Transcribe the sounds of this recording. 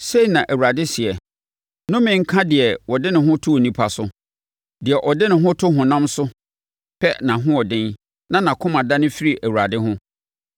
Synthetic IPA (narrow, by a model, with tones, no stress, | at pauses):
se˦i˨nã˨ʔæ˨wu˨ɾa˨dɪ˦si˨ɛ˨ | nʊ̃˦mɪ̃˨ŋ̩˦kʰã˦dɪ˨ɛ˨wɔ˨dɪ˦nʊ̃˨ɦʊ̃˦tʰʊ˦o˨nĩ˦pʰa˨sʊ˦ | dɪ˨ɛ˨ʔɔ˨dɪ˦nʊ̃˨ɦʊ̃˦tʰʊ˦ɦʊ̃˨nã˦msʊ˦ | pʰɛ˦nã˨ɦʊ̃˦ɔ˨dɪ̃˦n | nã˦nã˨kʰʊ̃˦mã˨da˦nɪ̃˦fi˦ɾi˨ʔæ˨wu˨ɾa˨dɪ˦ɦʊ̃˦